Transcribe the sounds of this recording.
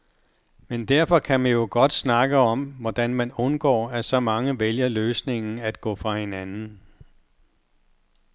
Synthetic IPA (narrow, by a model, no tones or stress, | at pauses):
mend̥æɐfɒ̽kʰæmænjo̝ɡ̥ɒ̽d̥snɑ̈ɡ̥əɒ̽mʋɒd̥ænmænɔ̽nɡ̥ɒ̰ːæsɒ̽mɑ̈ŋəʋeljɐløːsne̝ŋn̩æd̥̚ɡ̥ɔ̰̽ːfʁɑ̈he̝nænn̩